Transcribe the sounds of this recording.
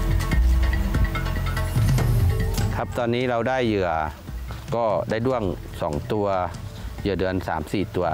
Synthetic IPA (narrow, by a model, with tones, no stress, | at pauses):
kʰa˦˥p̚t̪ɔː˧nːiː˦˥ɾa˧wdaː˥˩jːɯ˨˩ɐ | kɔː˥˩daː˥˩jdu˥˩əŋ | sɔː˩˦ŋt̪u˧ɐjɯ˨˩dɯ˧ənsaː˩˦msiː˨˩t̪u˧ɐ